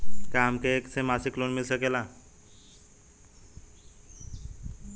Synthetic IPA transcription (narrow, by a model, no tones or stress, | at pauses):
kaːmkeeːksemaːsikloːnmɪlsəkelaː